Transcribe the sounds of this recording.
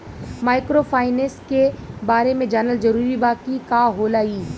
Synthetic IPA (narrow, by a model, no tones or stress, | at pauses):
maːɪkɾofʰaːɪneskebaːɾemẽd͡ʒaːnəld͡ʒɐɾuːɾibaːkikaːɦoːlaːiː